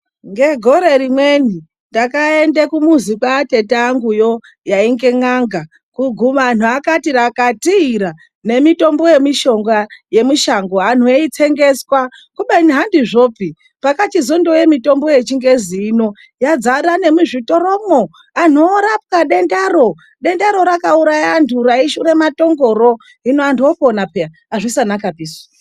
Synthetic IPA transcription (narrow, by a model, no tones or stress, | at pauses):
ŋɡe̞ɡʱo̞ɾe̞ɾimwe̞ni | ndakae̞ndekumuzikwaːte̞taːŋɡujo̞ | jaiŋɡe̞ŋaŋɡa | kuɡʱumaːn̤uakatiɾakatiːɾa | ne̞mito̞mbo̞je̞miʃo̞ŋɡaje̞miʃaŋɡo̞an̤ueit͡se̞ŋɡe̞swa | kuɓainiɦandiʐo̞ːpi | pakat͡ʃizondo̞je̞mito̞mbo̞je̞t͡ʃiŋɡe̞ziino̞ | jad͡zaɾane̞muʐito̞romo | an̤uːɾap̚kaɗe̞ndaɾo̞ | ɗe̞ndaɾo̞ɾakauɾajandʰuɾaiʃuɾe̞mato̞ŋɡo̞ɾo̞ | inoandioponapea | aʐisanakapiːsḁ